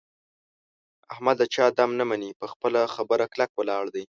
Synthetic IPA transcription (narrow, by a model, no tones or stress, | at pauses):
ahmad̪at͡ʃɑd̪amnamanipəxpəlaxabəɾaklakwəlɑɽd̪aj